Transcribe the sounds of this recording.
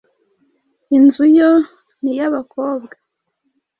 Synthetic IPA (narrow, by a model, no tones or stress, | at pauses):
inzujo | nijaβakoːbɡa